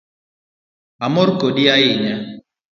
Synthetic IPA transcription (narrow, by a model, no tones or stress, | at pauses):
amɔɾkodiajɪɲa